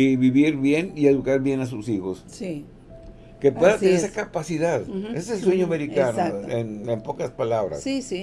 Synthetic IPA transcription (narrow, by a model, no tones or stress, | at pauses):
iβiβiɾβje̞nieðukaɾβje̞nas̬usixo̞ssi | kepwe̞ðat̪eneɾesakapasiðaðeseelsweɲoameɾikanosaenempo̞kaspalaβɾa̰ssisi